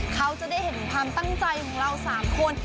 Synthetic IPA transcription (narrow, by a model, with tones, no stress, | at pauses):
kʰa˦˥wt͡ɕa˨˩daː˥˩jhe˩˦nkʰwaː˧mt̪a˥˩ŋt͡ɕa˧jkʰɔː˨˩˦ŋɾa˧wsaː˩˦mkʰo˧n